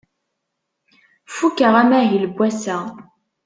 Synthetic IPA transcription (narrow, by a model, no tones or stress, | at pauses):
fukːəʁæmæɦilbwæsæ